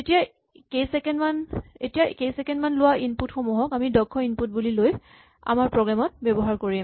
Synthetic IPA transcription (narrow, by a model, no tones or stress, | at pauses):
etija | kejsɛkɛnmanetijakejsɛkɛnmanlʊwainputxomuɦɔkamidɔkʰːɔinput̚buliloj | a̰maɹpɹɔɡɹamɔt̚bɛbɔɦaɹkoɹi